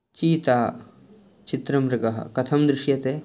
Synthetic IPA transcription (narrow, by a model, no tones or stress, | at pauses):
t͡ʃiːt̪aː | t͡ʃit̪ɾɐmɾɐɡɐɦɐ̰kɐt̪ʰɐmd̪ɾɪʃjɐt̪eː